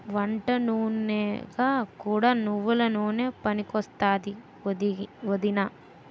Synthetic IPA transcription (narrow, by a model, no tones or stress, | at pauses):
ʋɐɳʈɐnuːnːeːɡaːkuːɽaːnuʋːulɐnoːne̞ːpɐnikɔst̪aːd̪i | ʋod̪inaː